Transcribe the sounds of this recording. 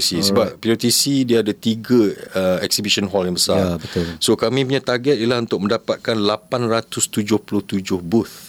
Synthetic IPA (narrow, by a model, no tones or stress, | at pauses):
sisəbap̚piot̪isidiaːdat̪iɡəəɛksibiʃɔnɦɔlinbəsalbət̪ʊsokamĩpuɲat̪arɡɛt̪̚ilahunt̪ʊk̚mə̃ndapat̪̚kanlapanrat̪ʊst̪ud͡ʒʊhpulʊht̪ud͡ʒʊhbʊt̪